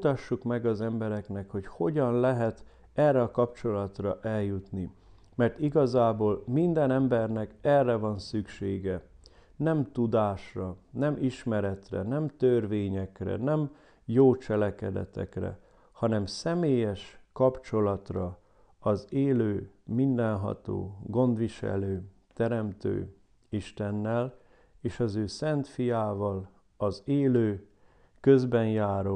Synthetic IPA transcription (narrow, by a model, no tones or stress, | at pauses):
t̪ɒʃːukmɛɡɒzɛmbɛɾɛknɛkho̞cho̞ɟɒnlɛɦɛt̪ | ɛrːɛɒkɒpt͡ʃo̞lɒt̪rɒʔɛljut̪ni | mɛrt̪iɡɒzaːboːlmind̪ɛnɛmbɛrnɛkɛrːɛvɒnsykʃeːɡɛ | nɛmt̪ud̪aːʃrɒnɛmiʃmɛɾɛt̪rɛ̰nɛmt̪ørveːɲɛkrɛ̰nɛm | joːt͡ʃɛlɛkɛd̪ɛ̰t̪ɛ̰krɛ̰ | hɒnɛmsɛmeːjɛʃkɒpt͡ʃo̞lɒt̪rɒ | ɒzeːløːmind̪ɛnɦɒ̰t̪o̰ːɡo̞nd̪ʋiʃɛ̰løː | t̪ɛɾɛmt̪ø̰ː | iʃt̪ɛnːɛl | eːʃɒzøːsɛnt̪fijaːvɒl | ɒzeːløː | kø̞zbɛnjaːɾo